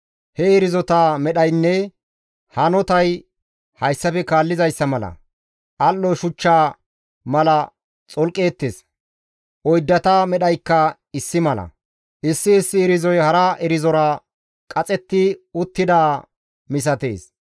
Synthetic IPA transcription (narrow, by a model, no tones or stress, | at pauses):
hɛɪɾɪzɔt̪aːmɛɗɐjnːɛ | hɐnɔt̪ɐj | hɐjsːɐfɛkaːlːɪzɐjsːɐmɐlɐ̰ | ʔɐlːɔʃʊt͡ʃːaː | mɐlɐ | t͡sʼɔlkʼe̞ːt̪ːes | ʔɔjd̪ːɐt̪amɛɗɐjkːɐ | ɪsːɪmɐlɐ̰ | ʔɪsːɪːsːɪːɾɪzɔjhɐɾaɛɾɪzɔɾɐ | kʼɐt͡sʼɛt̪ːɪʊt̪ːɪd̪aː | mɪs̬ɐt̪ḛːs